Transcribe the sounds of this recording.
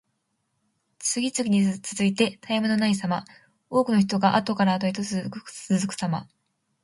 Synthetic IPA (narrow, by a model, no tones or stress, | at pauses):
t͡sɨɡʲit͡sɨɡʲiɲ̟it͡sɨzɨit̪e̞t̪ʰaimɯ̟no̞nais̬ama | o̞ːkɯ̟no̞ç̬i̥t̪o̞ɡaʔat̪o̞kaɾaːt̪oit̪ot͡sɨt͡sɨzɨkɯ̟̥sama̰